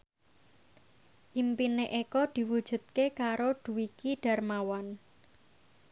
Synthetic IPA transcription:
ʔimpineʔekɔd̪̥i̤wud̥ʒ̥ṳt̪̚kekaɾoɖ̪̥ṳwikiɖ̥a̤rmawan

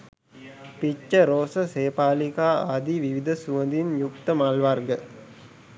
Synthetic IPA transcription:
pit͡ʃːəɾoːsəseːpaːlikaːa̰ːd̪iʋiʋid̪əsuʋənd̪injukt̪əmalʋarɡə

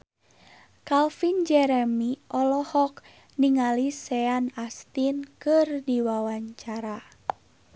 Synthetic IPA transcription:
kalfind͡ʒɛɾɛmiʔɔlɔhɔk | niŋalisɛanast̪inkɨrdiwawaɲt͡ʃaɾa

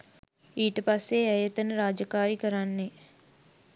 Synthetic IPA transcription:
iːʈəpasːeɛjət̪ənəɾaːd͡ʒəkaːɾikəɾanːe

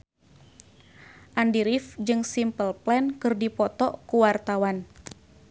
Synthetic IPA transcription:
ʔandiɾifd͡ʒɨŋsimpəlplɛnkɨrdipɔt̪ɔʔkuwart̪awan

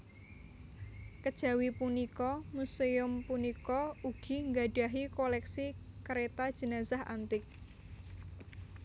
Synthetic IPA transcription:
kəd̥ʒ̥a̤wipunikɔmuseʊmpunikɔuɡ̥i̤ŋɡaɖ̥aɦikolɛksi | kəɾet̪ad̥ʒ̥ə̤nazaha̰nt̪ɪk̚

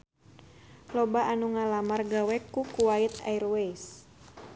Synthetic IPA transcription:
lɔbaʔːnuŋalamarɡawɛkːukuwait̪a̰irwes

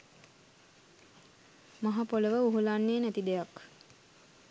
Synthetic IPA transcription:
maɦapoləʋəuɦulanːeːnæt̪id̪ejak

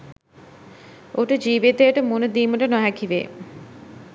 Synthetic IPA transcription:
oʈəd͡ʒiːʋit̪əjəʈəmonud̪iːməʈənɔɦækiʋḛː

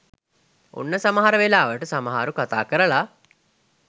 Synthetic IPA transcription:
ṵnːəsɐmɐɦaɾəʋelaːʋəʈəsɐmɐɦa̰ːɾukɐt̪a̰ːkəɾəɭa

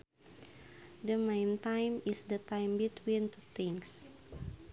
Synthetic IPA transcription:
dəmẽjnt̪ãjmisdət̪ãjmbit̪wint̪ut̪ĩŋs

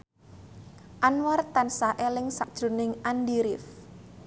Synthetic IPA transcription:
ʔanwart̪ansaʔelɪŋsa̰d̥ʒ̥ṳnɪŋandiɾɪf

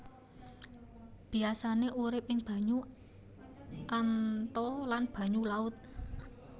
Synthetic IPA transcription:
b̥i̤asaneʔuɾɪp̚ɪŋb̥ä̤ɲu | ʔant̪ɔlanb̥ä̤ɲulaʊt̪̚

